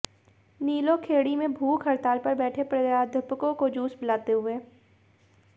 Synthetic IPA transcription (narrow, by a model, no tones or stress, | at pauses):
niːlõkʰeːɽimẽbʱuːkɦɐɾt̪aːlpɐɾbɛːʈʰepɾəaːd̪ʱəpkõkod͡ʒuːsbɪlaːt̪eɦʊeː